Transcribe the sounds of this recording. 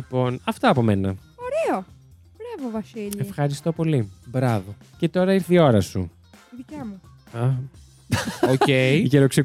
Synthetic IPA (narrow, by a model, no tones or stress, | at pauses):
ipo̞nɐft̪ɐːpo̞me̞nɐ | oɾeo | bɾɐvovɐsiʎeifxɐɾist̪o̞po̞libɾɐvo̞ | ce̞t̪o̞ɾɐiɾθio̞ɾɐsṵ | iðicɐmu | ɐ | ocejʝeɾokse